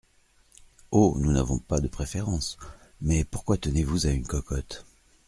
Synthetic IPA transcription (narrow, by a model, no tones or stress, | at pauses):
onuna̰vɔ̰̃pad̪əpχefeʁɑ̃smɛpuʁkwat̪ənevuzaynkɔkɔt̪